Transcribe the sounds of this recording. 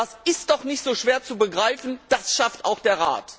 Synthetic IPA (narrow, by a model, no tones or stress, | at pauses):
asɪstd̥ɔχnɪçtz̥oːʃv̥eːɐt͡subəɡʁaɪfn̩d̥asʃaftʔa̰ʊxd̥eːɐʁa̰ːt